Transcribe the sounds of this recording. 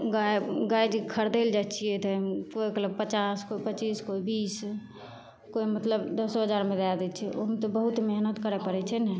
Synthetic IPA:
ɡaɡajd͡ʒkʰəɾd̪eld͡ʒat̪t͡ʃʰijɛt̪ɔkoiɡələbpət͡ʃaskoipət͡ʃiskoibiːs | koimət̪ləbd̪əsɔɦəd͡ʒaɾmed̪ad̪ɛt͡ʃʰɛomt̪ɔbəɦut̪meɦnət̪kəɾɛpəɾɛt͡ʃʰɛnɛ

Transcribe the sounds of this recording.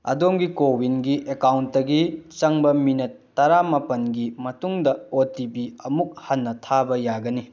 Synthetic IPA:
ɐ̰domɡikobinɡiʔekawntdɐɡit͡ʃɐŋbɐminɐtːɐɾamɐpɐnɡimɐtuŋdɐotipiɐmuk̚hɐnːɐtʰabɐjaɡɐni

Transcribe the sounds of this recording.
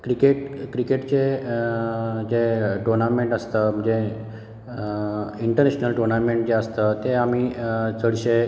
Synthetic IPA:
kɾikeʈkɾikeʈt͡ɕe | d͡ʑeʈonameɳʈəst̪əməd͡ʑe | iɳʈəɾneɕnəlʈonameɳʈd͡ʑeəst̪ət̪eamit͡səɽɕe

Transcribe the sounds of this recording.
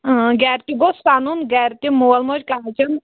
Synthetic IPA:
ɡɛːɾt̪iɡosaːnunɡɛːɾt̪imoɐlmod͡ʒkaat͡ʃɐn

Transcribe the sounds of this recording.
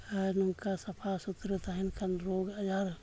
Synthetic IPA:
nuŋkasɐpʰasut̪ɾət̪aɦinkɐnɾoːɡɐd͡ʒaɾ

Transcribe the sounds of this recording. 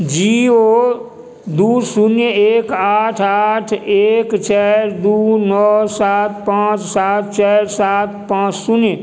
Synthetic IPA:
d͡ʒioː | d̪uːsʊnjəeːkaːʈʰaːʈʰeːkt͡ʃɛːɾd̪uːnɔːsaːt̪̚ʰpãːt͡ʃsaːt̪̚ʰt͡ʃɛːɾsaːt̪̚ʰpãːt͡ʃsʊnjə

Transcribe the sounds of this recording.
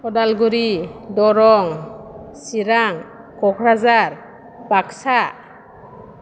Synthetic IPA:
ɔdalɡuɾidɔɾɔŋsiɾaŋ | kɔkʰɾazaɾ | paksa

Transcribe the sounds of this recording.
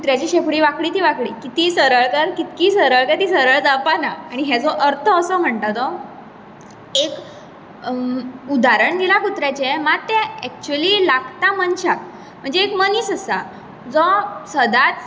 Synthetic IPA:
kut̪ɾjat͡ɕiɕepɽiːʋakɽiːt̪iʋakɽikit̪isəɾəɭkəɾkit̪kiːsəɾəɭkət̪isəɾəɭd͡zapanaaɽ̃iɦɛd͡zɔʔəɾt̪ʰəːsəm̤əɳt̪at̪ɔ | ek | ud̪aɾəɳd̪ilakut̪ɾjat͡ɕɛmat̪ɛ̃ɛk̚t͡ɕuəlilaɡt̪amənɕak̚ | m̤əɳd͡zeːkməniːsəsa | d͡zɔsəd̪at͡s

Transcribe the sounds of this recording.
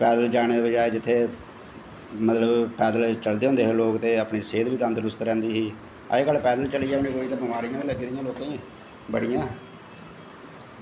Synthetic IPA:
pɛːd̪əld͡ʒaːɽ̃eːd̪eːbəd͡ʒaːeːd͡ʒɪt̪ʰːeː | mət̪ləbpɛːd̪əlt͡ʃəld̪eːõnd̪eːɦloːkt̪eːəpɳiːseːd̪ʋiːt̪ə̃ːnd̪ɾʊst̪ɾɛ̃ːnd̪iːɦḭː | eːkəlpɛːd̪əlt͡ʃəliːɛːpniːɡoːiːt̪ãːbəmaːɾijãːiləɡiːd̪ɪjãːloːkãː | bəɽijãː

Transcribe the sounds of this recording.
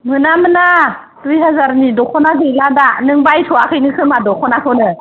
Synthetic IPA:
mɯnamɯna | tuɾiɦazaɾnidɔkʰɔnakʰɯjladanɯŋbajtʰɔakʰɯjnɯkʰɯmadɔkʰɔnakʰɯnɯ

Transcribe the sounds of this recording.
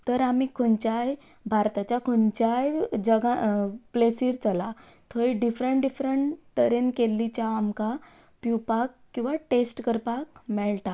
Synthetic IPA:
t̪əɾamiːkʰont͡ɕaj | bʱaɾt̪at͡ɕjakʰont͡ɕajd͡ʑəɡaplesiːɾt͡səla | t̪ʰoiɖifɾəɳʈɖifɾəɳʈt̪əɾenkelːit͡ɕaːmka | piwpakːĩw̃ʋaʈesʈkəɾpakmɛlt̪a

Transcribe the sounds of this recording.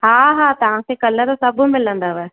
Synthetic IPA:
ɦaːɦaːt̪ɐʋ̤ãkʰeːkɐləɾsɐbʊ̆mɪlə̃nd̪aʋɛ

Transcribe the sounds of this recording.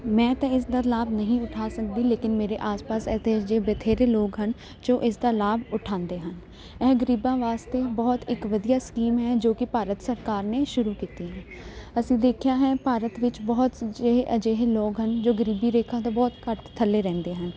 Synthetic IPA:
mɛ̃ːt̪ɛ̃ɪsd̪aːlaːbnəɦĩːʊʈʰaːsək̚d̪iːleːkɪnmeːɾeʔaːspaːsɛːd̪eːd͡ʒeːbət̪ʰeːɾeːloːɡɦən | d͡ʒoːʔɪsd̪aːlaːbʊʈʰãːnd̪eːɦən | ɛːɡəɾiːbãːʋaːst̪eːbɔːt̪ɪkʋəd̪ijaːskiːmɦɛːd͡ʒoːkɪpaːɾət̪səɾkaːɾneːʃʊɾuːkiːt̪iːɦɛ̃ː | əsĩːd̪eːkʰjaːɦɛːpaːɾət̪ʋɪt͡ʃbɔːt̪eəd͡ʒeːɦeloːɡɦənd͡ʒoːɡəɾiːbiːɾeːkʰãːt̪ãbɔːt̪kəʈt̪ʰːəlːeːɾɛ̃ːnd̪eːɦən

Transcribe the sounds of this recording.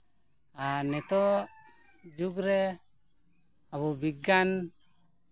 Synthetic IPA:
anɛt̪ɔ | d͡ʒuɡɾɛ | aβɔbiɡan

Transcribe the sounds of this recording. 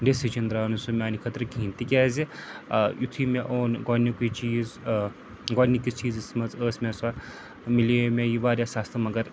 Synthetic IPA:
ɖesit͡ʃɐnd̪ɾaːnusumʲaːnikʰɐt̪ɾɨkĩːnt̪ikʲaːzi | jut̪ʰimeʔoːnɡɔːnːikuit͡ʃiːz | ɡɔːnikit͡ʃiːzismɐt͡səːsmʲesa | milemʲejiʋaːɾjasaːst̪ɐmɐɡɐɾ

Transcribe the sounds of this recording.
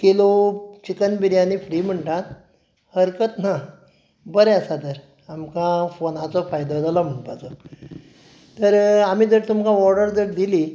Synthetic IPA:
kilot͡ɕikənbiɾjañifɾim̤əɳʈat̪ | həɾkət̪na | bəɾɛəsat̪əɾ | amkãfonat͡sɔfajd̪ɔd͡zalɔm̤əɳpat͡sɔ | t̪əɾamiːd͡zəɽt̪umkãʋɔɾɖəɾd͡zəɽd̪ili

